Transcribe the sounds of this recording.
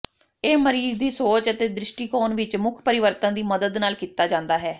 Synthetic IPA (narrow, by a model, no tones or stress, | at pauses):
eːməɾiːzd̪iːsoːt͡ʃət̪eːd̪ɾɪʃʈiːkɔːnʋɪt͡ʃmʊkʰpəɾɪʋəɾt̪ãːd̪iːməd̪əd̪naːlkiːt̪aːd͡ʒãːnd̪aːɦɛː